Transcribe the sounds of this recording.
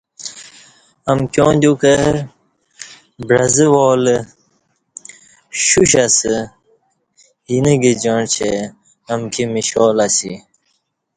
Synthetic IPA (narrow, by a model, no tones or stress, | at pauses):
ɐmkjõːd̪ukə | bɾɐzəwoːl | ɕuɕɐsə | hiniɡid͡ʑoɳt͡ɕʰe | ɐmkʰimiɕoːlɐsḭ